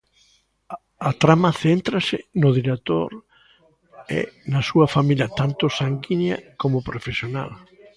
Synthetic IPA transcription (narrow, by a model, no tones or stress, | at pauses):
ɐt̪ɾamɐθent̪ɾɐsɪnʊðiɾek̚t̪o̰ɾ | ḛnɐsuɐfamiljɐt̪ant̪ʊsaŋɡinjɐ̰komʊpɾofesjona̰l